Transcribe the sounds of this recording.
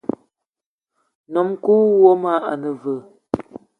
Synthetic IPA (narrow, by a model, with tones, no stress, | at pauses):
nɔ˨˦mku˦wo˦ma˦a˨nə˨və˨